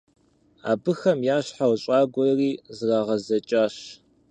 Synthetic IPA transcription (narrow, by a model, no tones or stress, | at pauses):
a̰ːbɨxɐmjaːɕħawɕʼaːɡʷɔriːzɨraːʁɐzɐt͡ʃʼaːɕ